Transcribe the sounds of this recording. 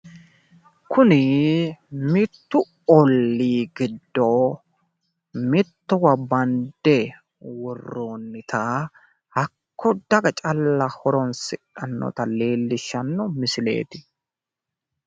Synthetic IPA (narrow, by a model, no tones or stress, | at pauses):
kʰʊnɪ | mɪt̪ːʊ | ɔlːiːɡɪd̪ːo | mɪt̪ːɔwɐbɐnd̪ɛ | wɔrːoːnːɪt̪ʰɐ | hɐkʰːɔd̪ɐɡɐt͡ʃʼɐlːɐhɔɾɔnsɪkʼːɐnːɔ̰t̪ɐle̞ːlːɪʃɐnːɔmɪsɪle̞̰ːt̪ɪ̥